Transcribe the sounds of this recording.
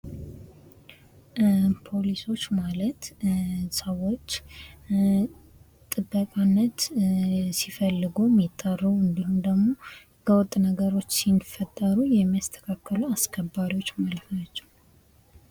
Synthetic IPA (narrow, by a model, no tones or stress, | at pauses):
pʰo̞liso̞t͡ʃːmalət̪səwːo̞t͡ʃː | t̪ʼɨbːəkʼanːət̪ | sifəlːɨɡumːit̪ʼːarːuwɨnd̪ihumd̪əɡmo̞ | bəwɔt̪ʼːnəɡəɾo̞t͡ʃːsinfət̪ʼːəɾujɛmːijast̪ʰə̥kʰakːəluaskʰəbːaɾiwo̞t͡ʃːmalfnat͡ʃːɛw